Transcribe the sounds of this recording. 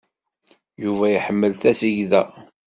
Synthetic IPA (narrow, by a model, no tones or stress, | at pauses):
juvæjəħəmːəlθæsiʝðæ